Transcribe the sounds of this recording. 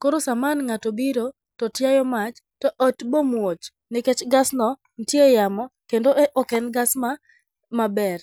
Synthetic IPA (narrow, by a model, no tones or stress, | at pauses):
koɾosamanŋatobiɾo | tɔtjajɔmat͡ʃ | tɔʔɔtbomwot͡ʃ | nɪkɛt͡ʃɡasnɔ | ntjejamɔkendoʔɔkɛnɡasma | mabɛr